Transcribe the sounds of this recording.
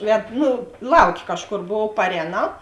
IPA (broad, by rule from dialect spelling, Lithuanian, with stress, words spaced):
ˈʋʲɛt ˈnʊ ˈlˠɐʊˌkʲeː ˈkɑːʃˌkoːr ˈbʊʋuɔw pɐˈrʲɛːnɐʊ